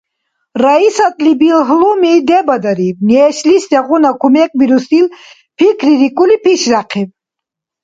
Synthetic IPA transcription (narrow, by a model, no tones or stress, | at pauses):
raisat̪ʼlibilɦlumid̪ɛbɐd̪aɾivniɛʃlisd̪ɛʁunakʰumɛk̚ʼbiɾust̪il | pʰikʰɾiɾikʼulipʰiʃɾaqʰiv